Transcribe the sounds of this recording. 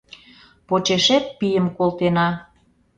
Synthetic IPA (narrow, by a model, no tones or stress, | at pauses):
pot͡ɕeʃet̪̚pijəmkolt̪enɑ